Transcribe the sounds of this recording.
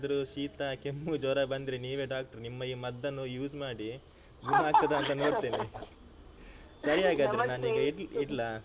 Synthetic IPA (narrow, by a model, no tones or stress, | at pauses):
d̪ɐɾuʃiːt̪ɐkemːud͡ʒɔːɾabɐnd̪iɾeniːʋe̞ːɖaːk̚ʈɐɾnimːɐjimɐd̪ːɐnːujuːsmaːɽi | ɡunɐaːk̚t̪ɐd̪ɐɐnt̪ɐno̞ːɽt̪iːni | sɐɾiaːɡaːd̪ɐɾenaːniːɡɐiiɽlɐ